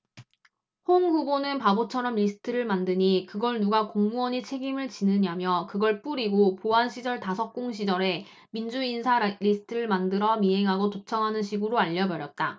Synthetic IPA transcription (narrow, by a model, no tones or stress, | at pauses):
hoŋɸubonɯnpabot͡ɕʰʌɾʌmʎisʰɯ̥tʰɯɾɯɭmandɯɲikɯɡʌɭnuɡakoŋmuʌɲit͡ɕʰe̞ɡimɯɭt͡ɕinɯɲamjʌkɯɡʌɭp͈uɾiɡopoanɕʰid͡ʑʌɭtasʰʌk̚k͈oŋɕʰid͡ʑʌɾe̞ | mind͡ʑuinsʰaɾisʰɯ̥tʰɯɾɯɭmandɯɾʌmiɦe̞ŋɦaɡotot͡ɕʰʌŋɦanɯnɕʰiɡɯɾoaʎːʌbʌɾjʌt̚t͈a